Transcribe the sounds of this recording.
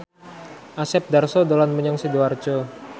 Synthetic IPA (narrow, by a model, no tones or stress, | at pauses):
ʔasɛp̚darsɔdolanməɲaŋsiduart͡ʃo